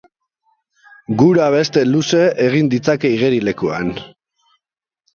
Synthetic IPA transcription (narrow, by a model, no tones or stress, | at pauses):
ɡuɾaβ̞e̞st̪e̞luse̞ʔeɣ̞ind̪it͡sake̞iɣ̞eɾile̞kua̰n